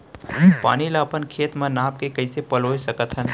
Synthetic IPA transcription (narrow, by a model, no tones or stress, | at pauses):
pa̰ːnilaəpənkʰeːt̪mə̃naːp̚kekəɪsepəloːjsəkət̪ɦən